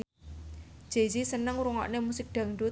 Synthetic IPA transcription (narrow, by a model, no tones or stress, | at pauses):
d̥ʒ̥ezisənəŋuɾuŋɔ̰ʔnemusɪk̚dɖ̪̥ä̤ŋɖu